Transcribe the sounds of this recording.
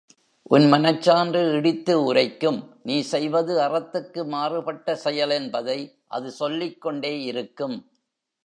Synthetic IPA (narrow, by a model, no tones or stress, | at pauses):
ʔʊnmɐnɐt͡ʃːaːndrɯɪɽɪt̪ːɯʊrɐɪkːɯmniːsɛjʋɐðɯɐrɐt̪ːɯkːɯmaːrɯpɐʈːɐsɛjɐlɛnbɐðɐɪ | ʔɐ̰ðɯsɔlːɪkːɔɳɖeːɪɾɯkːɯm